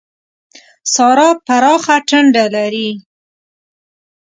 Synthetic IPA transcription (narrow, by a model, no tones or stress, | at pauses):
sɑɾɑpaɾɑxaʈəɳɖalaɾi